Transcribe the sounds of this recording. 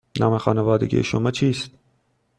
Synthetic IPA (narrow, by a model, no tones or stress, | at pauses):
nɑːmexɑːnevɑːd̪ḛɡʲḭjḛʃomɑt͡ʃʰiːst̪̚